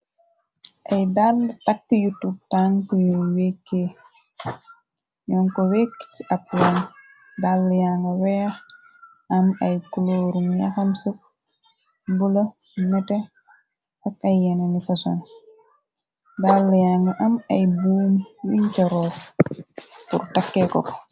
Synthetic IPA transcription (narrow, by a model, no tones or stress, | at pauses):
ʔɐjdalːtɐkːəjutːutaŋkɔjuwekːeː | jɔːŋkɔweːkːciʔɐp̚lɐn | dalːjaŋɡɐwɛːx | ɐmɐjkuloːɾumjɐ̰xɐmsək̚ | bulɐ | mɛtɛ | ɐkɐjːɛnɐnifɐson | dalːjaŋɡɐʔɐmɐjbuːmwiɲcɐɾɔːk | pṵrtɐkːɛkɔk